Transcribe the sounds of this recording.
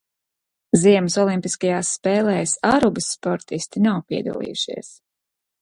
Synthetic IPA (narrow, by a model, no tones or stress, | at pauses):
ziɛmsɔlˠimpiskajaːsːpɛːlˠɛːsaɾubɨsːpɔɾt̪ist̪inawpiɛd̪ɐ̰lˠḭːjṵʃḭɛs